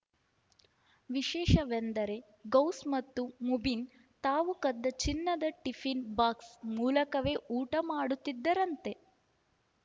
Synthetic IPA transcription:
ʋiʃɛːʃɐʋend̪ɐɾe̞ | ɡɐwsmɐt̪ːumubin | t̪aːʋukɐd̪ːɐt͡ʃinːɐd̪ɐʈifʰinbaːksmuːlɐkɐʋeːʔuːʈɐmaːɽut̪ːid̪ːɐɾɐnt̪e̞

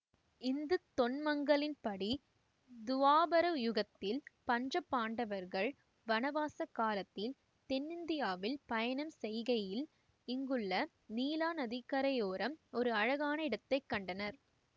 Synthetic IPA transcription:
ɪnd̪ɯt̪ɔnmɐŋɡɐɭɪnpɐɽi | d̪ʊʋaːbɐɾɐjʊɣɐt̪ːɪlpɐɲd͡ʒɐpːaːɳɖɐʋɐɾɣɐɭ | ʋɐnɐʋaːsɐkːaːlɐt̪ːɪl | t̪ɛnːɪnd̪ɪjaːʋɪlpɐjɐɳɐmsɛjɣɐjɪl | ɪŋɡɯɭːɐ | niːlaːnɐðikːɐɾɐjoːɾɐmɔɾɯɐɻɐɣaːnɐɪɽɐt̪ːɐɪkːɐɳɖɐnɐɾ

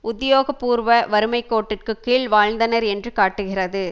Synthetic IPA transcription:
ʔʊðjoːɣɐpːuːɾʋɐʋɐɾɯmɐɪkːoːʈːɪrkɯkːiːɭʋaːɻnd̪ɐnɐɾɛndrɯkaːʈːɯɣɪrɐðɯ

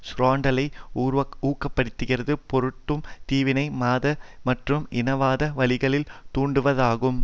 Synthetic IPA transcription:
sɾaːɳɖɐlɐɪuːɾʋɐuːkːɐpːɐɽɯt̪ːɯɣɪrɐðɯpɔɾɯʈːɯmt̪iːʋɪnɐɪmaːðɐmɐʈrɯmɪnɐʋaːðɐʋɐlɪɣɐɭɪlt̪uːɳɖɯʋɐðaːɣɯm

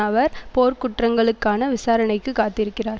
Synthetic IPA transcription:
ɐʋɐɾpoːɾkʊʈrɐŋɡɐɭɯkːaːnɐʋɪsaːɾɐnɐɪkːɯkːaːt̪ɪɾɯkːɪraːɾ

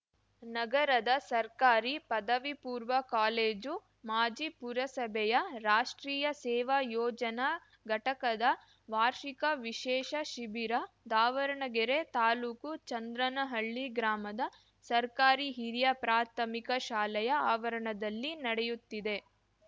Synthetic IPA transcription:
nɐɡɐɾɐd̪ɐsɐɾkaːɾipɐd̪ɐʋipuːɾʋɐkaːleːd͡ʒu | maːd͡ʒipuɾɐsɐbʱɛjɐɾaːʂʈɾiːjɐsɛːʋɐjɔːd͡ʒɐnɐ | ɡɐʈɐkɐd̪ɐ | ʋaːɾʃikɐʋiʃɛːʃɐʃibiɾɐ | d̪aːʋɐɾɐɳɐɡɛɾet̪aːluːkut͡ʃɐnd̪ɾɐnɐɦɐɭːiɡɾaːmɐd̪ɐ | sɐɾkaːɾiɦiɾijɐpɾaːt̪ʰɐmikɐʃaːlɐjɐaːʋɐɾɐɳɐd̪ɐlːinɐɽejut̪ːid̪e̞

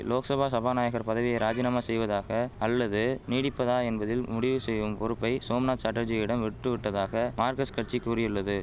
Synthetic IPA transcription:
loːksɐbʱaːsɐbʱaːnaːjɐɣɐɾpɐðɐʋɪjɐɪɾaːd͡ʒɪnaːmaːsɛjʋɐðaːɣɐːlːɐðɯniːɽɪpːɐðaːɛnbɐðɪlmʊɽɪʋɯsɛjʋɯmpɔɾɯpːɐɪsoːmnaːsɐʈːɐd͡ʒɐjɪɽɐmʋɪʈːɯʋɪʈːɐðaːɣɐmaːɾkɐskɐʈt͡ʃikuːɾɪjɯɭːɐðɯ

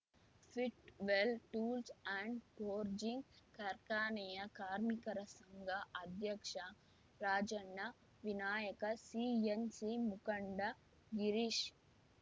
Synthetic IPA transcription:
fʰiʈʋelʈuːlsaɳɖpoːɾd͡ʒiŋɡkɐɾkaːnɐjɐkaːɾmikɐɾɐsɐŋɡʱɐɐd̪ʱjɐkʂɐ | ɾaːd͡ʒɐɳːɐ | ʋinaːjɐkɐsiːensimukɐɳɖɐ | ɡiɾiʃ

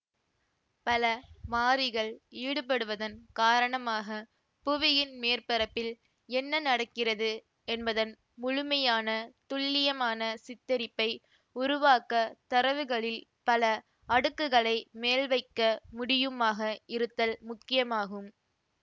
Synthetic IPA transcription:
pɐlɐmaːɾɪɣɐɭiːɽɯp̬ɐɽɯʋɐðɐnkaːɾɐɳɐmaːɣɐ | pʊʋɪjɪnmeːrpɐɾɐpːɪl | ɛnːɐnɐɽɐkːɪrɐðɯ | ɛnbɐðɐn | mʊɻɯmɐjaːnɐt̪ʊɭːɪjɐmaːnɐsɪt̪ːɐɾɪpːɐɪ | ʊɾʊʋaːkɐt̪ɐɾɐʋɯɣɐɭɪl | pɐlɐ | ɐɽɯkːɯɣɐɭɐɪmeːlʋɐɪkːɐmʊɽɪjɯmaːɣɐɪɾɯt̪ːɐlmʊkːɪjɐmaːɣɯm

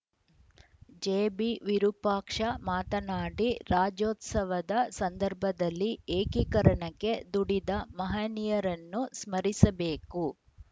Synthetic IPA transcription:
d͡ʒeːbiʋiɾupaːkʂɐmaːt̪ɐnaːɽiɾaːd͡ʒoːt̪sɐʋɐd̪ɐsɐnd̪ɐɾbʱɐd̪ɐlːieːkikɐɾɐɳɐkːe̞d̪uɽid̪ɐmɐɦɐnijɐɾɐnːusmɐɾisɐbeːku

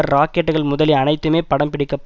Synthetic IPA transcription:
ɐɾaːkeʈːɯɣɐɭmʊðɐliɐnɐɪt̪ːɯmeːpɐɽɐmpɪɽɪkːɐpː

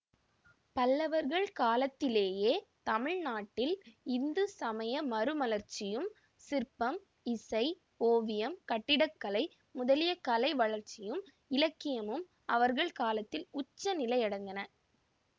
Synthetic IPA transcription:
pɐlːɐʋɐɾɣɐɭkaːlɐt̪ːɪleːjeːt̪ɐmɪɻnaːʈːɪlɪnd̪ɯsɐmɐjɐmɐɾɯmɐlɐɾt͡ʃɪjɯm | sɪɾpɐm | ɪsɐɪ | oːʋɪjɐmkɐʈːɪɽɐkːɐlɐɪ | mʊðɐlɪjɐkɐlɐɪʋɐɭɐɾt͡ʃɪjɯm | ɪlɐkːɪjɐmɯm | ɐʋɐɾɣɐɭkaːlɐt̪ːɪlʊt͡ʃːɐnɪlɐɪɐɽɐnd̪ɐnɐ

